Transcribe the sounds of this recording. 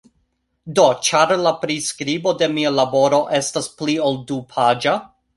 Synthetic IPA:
dot͡ʃaɾlapɾiskɾibo̞de̞mialabo̞ɾo̞ʔe̞stasplioldupʰad͡ʒa

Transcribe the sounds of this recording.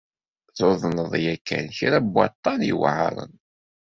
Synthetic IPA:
θoðˤnəðˤjækːæ̰nçiɾæbwːɑ̰t̪ˤːɑnḭwʕə̰ɾˤə̰n

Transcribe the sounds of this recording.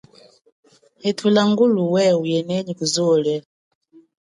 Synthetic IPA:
hɛtʰulaŋɡuluwɛujɛnɛɲikuzɔlɛ

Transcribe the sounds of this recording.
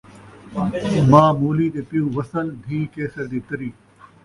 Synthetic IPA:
mãːmuːliːt̪eːpɪjũːʋɐsəld̪ʱiːkeːsəɾd̪it̪ɐɾiː

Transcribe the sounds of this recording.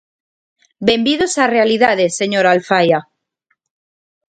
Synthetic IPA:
be̞mbiðosarealiðaðe̞sːe̞ɲoɾalfaja

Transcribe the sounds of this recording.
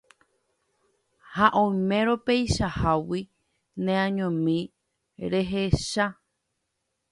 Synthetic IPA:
haʔõmẽ̞ɾo̞pejʃahawi | nẽãɲõmĩ | ɾe̞ɦe̞ʃa

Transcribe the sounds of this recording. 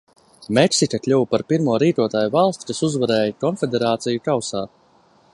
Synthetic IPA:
meksikaklʲuwpaɾpiɾmuɔɾiːt̪uɔt̪aːjuvalˠst̪ʲi̥kasuzvaɾɛːjakɔnfʲed̪eɾaːt̪sijukawsaːt̪

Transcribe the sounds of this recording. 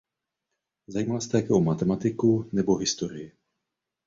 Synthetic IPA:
zajiːmalst̪ɛjakɛʔomat̪ɛmat̪ɪkunɛboɦɪst̪oɾɪjɪ

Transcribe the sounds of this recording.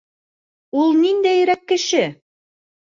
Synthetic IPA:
ulˠnind̪æjɾækːɘ̆ʃɘ

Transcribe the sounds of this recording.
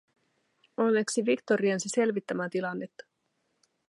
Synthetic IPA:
o̞nːe̞ksiʋikt̪o̞ɾiɑnsise̞lʋit̪ːæmæt̪ilɑnːe̞t̪ːɑ̥

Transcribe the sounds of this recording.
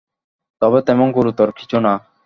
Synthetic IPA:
t̪ɔbet̪ɛmonɡuɾut̪oɾkʰi̥t͡ɕʰona

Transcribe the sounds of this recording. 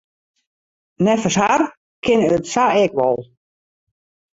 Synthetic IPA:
nɛfəshar | kʰɪnøtsaɛkʋɔlˠ

